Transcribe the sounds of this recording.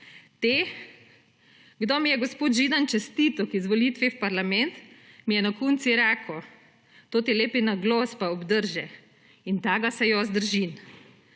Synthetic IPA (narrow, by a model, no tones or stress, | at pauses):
t̪eː | ɡd̪omijɛɡɔspoːt̪ʒiːd̪ant͡ʃɛst̪iːt̪ɔkizʋɔliːt̪ʋiwpaɾlamɛnt̪mijɛnakunt̪siɾaːkʰɔ | t̪oːt̪ileːpinaɡlɔspaɔbd̪əɾʒɛ | int̪aːɡasɛjɔzd̪əɾʒin